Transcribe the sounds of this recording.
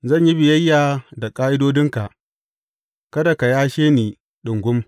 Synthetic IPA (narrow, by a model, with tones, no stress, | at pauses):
zɐ˦˨ɲji˦bɪ˨jɐ˦jːaː˨da˨kʼaː˦ʔɪ˦doː˦dɪ˦ŋka˨ʔ | kɐ˦da˨ka˨jaː˦ʃeː˦niː˨ | ɗʊ˨ŋɡʷʊ˦m